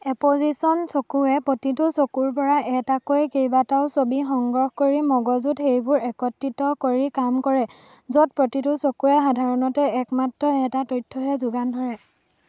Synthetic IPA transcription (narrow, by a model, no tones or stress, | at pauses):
ɛpozisɔnsokuɛpɹotitʊsokuɹp̬ɔɹaʔɛtakojkejbataʊsobixɔŋɡɹɔxkoɹimɔɡɔzutxejbʊɹɛkɔtːitɔkoɹikamkɔɹɛzot̚pɹotitʊsokuɛxadʱaɹɔnɔtɛɛkmatɹɔɛtatojtʰːɔɦɛzʊɡandʱɔɹɛ